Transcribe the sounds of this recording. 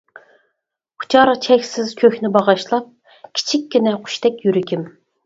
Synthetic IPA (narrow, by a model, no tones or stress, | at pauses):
χʰʊ̥t͡ʃʰɑɾt͡ʃʰɛkʲsɪz̥kʲʰøxʲnɪbɑʁɑʃlˠɑp̚ | kʲʰi̥t͡ʃʰikʲːinɛqʰʊ̥ʃt̪ɛkʲjyɾɪkʲim